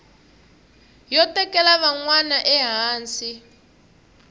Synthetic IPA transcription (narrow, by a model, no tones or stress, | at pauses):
jɔtɛkɛlaβaŋwanaʔɛɦaːnsi